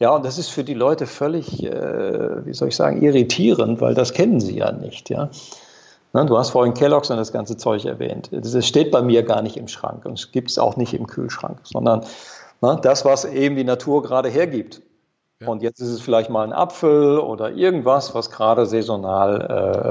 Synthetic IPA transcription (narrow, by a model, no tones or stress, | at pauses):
jaːʊntd̥asɪstfyːɐdiːlɔʏtəfœlɪçʔɛ̰ːvḭːzɔ̰lɪçz̥a̰ːɡŋ̩ʔiʁitʰiːʁəntv̥a̰ɪldaskʰɛnənzḭːja̰ːnɪ̰çtʰja̰ː | nəduːhastfoːɪnkʰɛlɔksjandasɡ̥ant͡sət͡sɔʏçɛ̰ɐvɛ̰ːntsɛsʃteːt̚b̥aɪmiːɐɡa̰ːɐnɪçtɪmʃʁ̥a̰ŋkʊntɛsɡ̥iːp̚tsa̰ʊxnɪçtɪmkʰy̰ːlʃʁ̥a̰ŋkz̥ɔ̰ndɐnnəd̥asv̥asʔeːbm̩diːnatʰuːɐɡəʁaːɾəɦeːɐɡiːp̚t | ʔʊntjɛt͡stɪstɛsfɪlaɪçtmaːlnʔa̰pfl̩ʔo̰ːdɐʔɪɐɡŋ̩tv̥asv̥asɡ̥ʁaːɾəzɛzonaːlʔɛ̰ː